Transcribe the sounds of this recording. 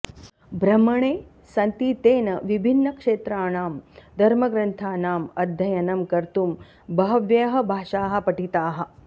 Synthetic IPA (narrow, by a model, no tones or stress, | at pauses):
bɾɐmɐɳeː | sɐnt̪it̪eːnɐʋibʱinːɐkʂeːt̪ɾaːnaːmd̪ʱɐɾmɐɡɾɐnt̪ʰaːnaːmɐd̪ʱjɐjɐnɐmkɐɾt̪um | bɐɦɐʋjɐɦɐ̆bʱaːʂaːɦɐ̆pɐʈit̪aːɦɐ̆